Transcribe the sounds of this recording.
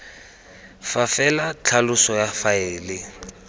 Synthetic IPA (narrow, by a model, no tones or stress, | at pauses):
fafɛlat͡ɬʰalʊsɔjafaɪːlɪ